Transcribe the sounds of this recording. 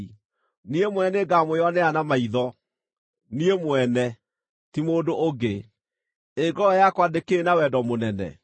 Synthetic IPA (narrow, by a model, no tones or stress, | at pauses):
niemwɛneɡamojɔnɛanamaiðɔ | niemwɛnɛ | timoːdooɡe | eɡɔjakwadekeːnawɛdɔmonɛnɛ̰